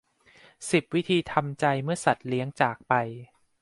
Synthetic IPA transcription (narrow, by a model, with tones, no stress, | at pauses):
si˨˩p̚wi˦˥t̪ʰiː˧t̪ʰa˧mt͡ɕa˧jmɯ˥˩ɐsa˨˩t̪̚li˦˥əŋt͡ɕaː˨˩k̚pa˧j